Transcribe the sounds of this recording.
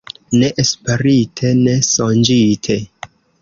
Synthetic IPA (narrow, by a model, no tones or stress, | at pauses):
ne̞ʔespe̞ɾitʰe̞ne̞sond͡ʒitʰe̞